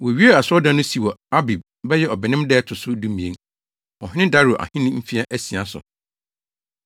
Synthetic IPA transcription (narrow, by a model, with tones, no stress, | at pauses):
wɔ˨ɥi˦e˦a˨sɔ˦dã˦nʊ̃˦si˨wɔ˨a˦bi˨b̚ | bɛ˦jɛ˦ɔ˨bɪ˨nɪ̃˦mdɛ˦tʰʊ˨sʊ˦du˦mĩ˨ḛ̃˨˦ŋ | ɔ˨ɦɪ̃˦nɪ̃˦da˦ɾu˨ʔa̰˨hɪ̃˦nʊ̃˦m̩˦fi˦a˦ʔæ˦si˨a˨sʊ̰˨